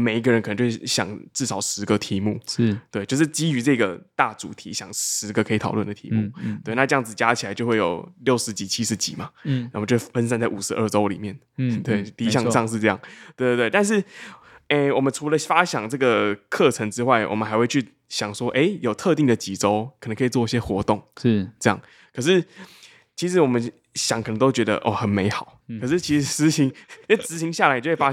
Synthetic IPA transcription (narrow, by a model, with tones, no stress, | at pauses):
me˨˩ɪi˦˥ɡə˩ə˦nkʰə˨˩nə˧˥t͡ɕo˥˩˥ɕjɑ̰˨˩ŋʈ͡ʂɻ̩˥˩sɑ˨˩ʊʂɻ̩˧˥ɡə˧t̪ʰi˧˥mu˥˩˥t̪we˥˧ɪt͡ɕjʂɻ̩˥˩t͡ɕi˥y˧˥ʈ͡ʂɤ˥˩ɡə˩t̪a˥˩ʈ͡ʂṵ˨˩t̪ʰḭ˧˥ɕjɑ˨˩ŋʂɻ̩˧˥ɡə˧kʰɤ˧˥i˨˩t̪ʰɑ˨˩ʊlwə˥˩nd̪ə˩ḭ˧˥mu˥˩t̪we˥˩ɪna˥˧ʈ͡ʂɤ˥˧jɑ˥˩ŋd͡zɹ̩˨˩t͡ɕja˥t͡ɕʰi˨˩a˨˥ɪt͡ɕjʊxwe˥˩ɪjo̰˨˩ʊljo˥˩ʊʂɻ̩˧˥t͡ɕi˨˩t͡ɕʰi˥ʂɻ̩˧˥t͡ɕḭ˨˩mɐ˨˩na˥˩˨t͡ɕjo˥˧˩fə˥ns̬a˥˧nt͡sa˥˩ɪu˨˩ʂɻ̩˧˥ʔə˞˥˩ʈ͡ʂo˥ʊlḭ˨˩mjɛ˥˩n | t̪we˥˩ɪt̪i˥˧˥jɑ˥˧ŋʂɑ˥˧ŋʂ̬ɻ̩˥˧ʈ͡ʂɤ˥˧jɑ̰˥˩ŋt̪we˥˧t̪we˥˩ɪt̪a˥˧nʂ̬ɻ̩˥˩ | e˥˩wɔ˨˩mə˨˦nʈ͡ʂʰu˧˥lə˧fa˦˥ɕjɑ˨˩ŋʈ͡ʂɤ˥˩ɡə˩kʰɤ˥˨ʈ͡ʂʰə˧˥ŋʈ͡ʂɻ̩˥wa˥˩ɪwɔ̰˨˩mə˦nxa˧˥ɪxwe˥˧ɪt͡ɕʰy˥˩ | ɕjɑ˨˩ŋʂwɔ˥ʔe˧˥ɪjo˨˩ʊt̪ʰɤ˥˧t̪i˥˩ŋd̪ə˨t͡ɕi˨˩ʈ͡ʂo˥ʊkʰə˨˩nə˧˦ŋkʰt͡swɔ˥˧i˥˩ɕjɛ˥xwɔ˧˥t̪o˥˩ŋ˥t͡sɤ˥˧jɑ̰˥˩ŋ | kʰɤ˨˩ʂɻ̩˥˩ | t͡ɕʰi˧˥ʂ̬ɻ̩˧˥wɔ˨˩mə˦n | ɕjɑ˨˦ŋkʰə˨˩nə˧ŋt̪o˥t͡ɕɥɛ˧˥d̪ə̰˧ʔɔ̰˥˩xə˨˩nme˧˥ɪxɑ˨˩˦ʊkʰɤ˨˩ʂɻ̩˥˩t͡ɕʰi˧˥ʂ̩˧˥t͡sɹ̩˧˥ɕi˧˦ŋ˥˩t͡sɹ̩˧˥ɕi˧˥ŋɕja˥˩a˨˥ɪ˨˧˥wa˥